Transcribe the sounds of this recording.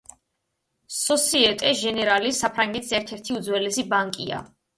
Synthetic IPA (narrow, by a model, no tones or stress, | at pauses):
sɔsiɛt̪ʼɛʒɛnɛɾalisapʰɾaŋɡɛt̪ʰisɛɾt̪ʰɛɾt̪ʰiud̪zwɛlɛsibaŋkʼḭa̰